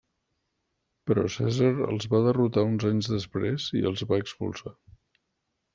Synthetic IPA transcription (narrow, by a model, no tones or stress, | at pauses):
pɾɔ̰sɛ̰zəɾə̰lˠzβaðərut̪aunzaɲzðəspɾezḭə̰lˠzβaəkspṵlˠsa